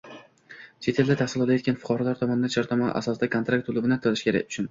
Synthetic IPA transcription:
t͡ʃʰe̞t̪ʰe̞ld̪at̪ʰahsɪlˠɒlˠajet̪̚ʲkʲanfʊ̥qʰɒɾɒlaɾt̪ʰɒmɒnɪd̪aʃʰɒɾt̪ʰɒmɒnɪ̰ʔa̰sɒsɪd̪akʰont̪ɾak̚t̪ʰːʊlˠʊbɪnat̪ʰɒlɪʃkʲʰe̞ɾa̰k̚ʲʊ̥t͡ʃʰʊn

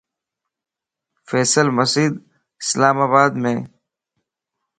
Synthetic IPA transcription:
feːsəlməsiːd̪ | ɪslaːmaːbaːd̪mẽː

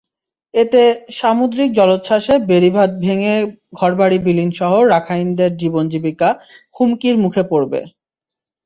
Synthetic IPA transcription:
et̪eʃamud̪ɾik̚d͡ʑɔlot̪ʃaʃebeɾibʱad̪̚bʱeŋe | ɡʱɔɾbaɽibilinʃɔɦoɾakʰajnd̪eɾd͡ʑibond͡ʑibikakʰumkiɾmukʰepoɾbḛ

